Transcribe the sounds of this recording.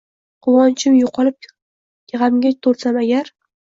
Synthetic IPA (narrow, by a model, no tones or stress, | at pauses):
qʰʊwɒnt͡ʃʰɪmjʊqʰɒlɪp̚ | jʲʁamɡʲat̪ʰoɾsamaɡʲaɾ